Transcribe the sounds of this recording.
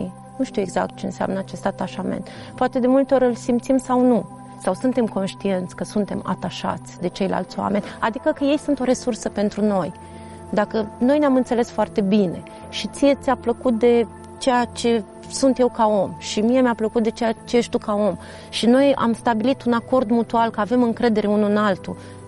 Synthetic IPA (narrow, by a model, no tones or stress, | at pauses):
i | nuʃt̪iue̞ɡza̰k̚t̪̚t͡ʃe̞ɨnsea̰mnəat͡ʃe̞st̪at̪aʃamḛnt̪ | poat̪e̞d̪e̞mult̪eo̞ɾʲɨlsimpt̪simsawnu | sawsunt̪e̞mko̞nʃt̪ie̞nt̪sʲkəsunt̪e̞ma̰t̪aʃa̰t̪sʲd̪e̞t͡ʃe̞jla̰lt̪sʲwa̰me̞nʲad̪ikəkəje̞jsunt̪o̞ɾe̞sursəpe̞nt̪ɾuno̞j | d̪akəno̞jneamɨnt̪se̞le̞sfoart̪e̞bine̞ | ʃit̪sije̞t̪sʲapləkut̪̚d̪e̞ | t͡ʃe̞jat͡ʃe̞ | sunt̪je̞wkao̞mʃimijemʲeapləkut̪̚d̪e̞t͡ʃejat͡ʃeʃt̪ukao̞m | ʃino̞ja̰mst̪abilit̪unako̞rd̪mut̪ualkəave̞mɨŋkɾe̞d̪e̞ɾe̞unuɨnalt̪ṵ